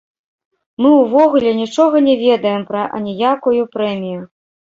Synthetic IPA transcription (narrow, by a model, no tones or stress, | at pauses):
mɨwvɔɣulʲɛnʲit͡ʂɔɣɐnʲɛvʲɛd̪ɐjɛmpɾɐʔɐ̰nʲijakujupɾɛmʲiju